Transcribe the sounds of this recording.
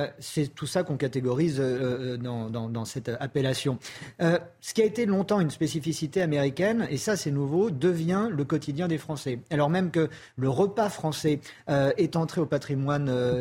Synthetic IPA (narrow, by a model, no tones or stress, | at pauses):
sɛt̪usakɔ̃kat̪eɡɔʁizøød̪ɑ̃d̪ɑ̃d̪ɑ̃sɛt̪apelasjɔ̃ø | sə̥kʲiaet̪elɔ̃t̪ɑ̃ynspesifisit̪eameʁikʲɛnesasɛnuvod̪əvjɛ̃ləkɔt̪ʰid̪jɛ̃d̪efχɑ̃sɛalɔʁmɛmkə | ləʁəpafχɑ̃sɛøɛt̪ɑ̃t̪χeopat̪χimwanø